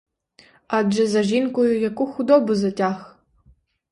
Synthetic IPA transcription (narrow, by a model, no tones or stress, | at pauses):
ad͡ʒɐzɐʒinkʷʼʊjakʷʼʊxʷudobɨzɐtʲʼaːx